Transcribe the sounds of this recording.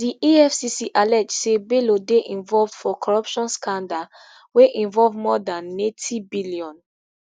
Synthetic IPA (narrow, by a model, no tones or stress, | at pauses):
diʔiɛfsisiʔalɛd͡ʒsebelodeʔĩnvɔlvd̥fɔkʰɔɹɔpʃɔ̃nskãnda | weʔĩnvɔlvmɔdãnːetʰibiliɔ̃n